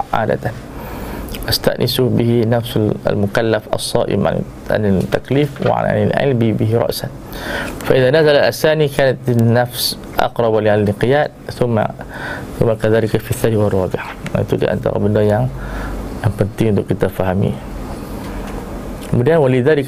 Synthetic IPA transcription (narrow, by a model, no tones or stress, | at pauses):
ʕa̰ːd̪a̰t̪an | ʔast̪a̰ʔnʔɪsubɪhinafslmʊkalːafʔɑ̰sˤːɑ̰ːʔɪ̰mʕa̰n̰ | ʕa̰nt̪ːakliːfw̰ʕa̰n̰nɪlʕɪ̰lbibɪɦɾˤɑ̰ʔsan | faʔɪðaːnazalalʔasaːnikaːnat̪nːafs | ʔɑ̰qɾˤɑbalanqɪjaːdθʊmːa̰θʊmːakaðaːlɪkafiθːaːniwɑrˤːɑːbɪʕaʔa̰t̪ulḭʔa̰nt̪a̰ɣɑ̰bɪnːaja | ʔankant̪iːd̪ukɪt̪ːafahamḭː | wɪdaːnwalɪðaːlɪk